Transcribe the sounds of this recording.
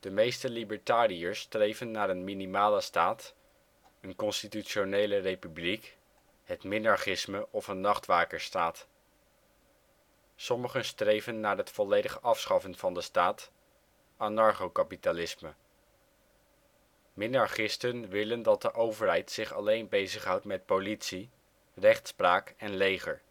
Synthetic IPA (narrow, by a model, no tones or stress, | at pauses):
d̥əmejstəlibəɹtaːriəɹsːtrejvənːaːɾənminimaːləstaːt | ənkɔnstityʃonejlərejpyblik | ɦətmɪnɑɹχɪsməʔɔfənːɑχtʋaːkəɹstaːt | sɔməχənstrejvənːaːɹɦətfɔlejdəχəʔɑfsχɑfənv̥ɑndəstaːt | anɑɹχowkapitalɪsmə | mɪnɑɹχɪstənʋɪləndɑt̚dəʔowvəɹɦɛjtsɪχɑ̰lejnbejzəχɦʌwtmɛt̚politsi | rɛχtspraːkɛnlejχəɹ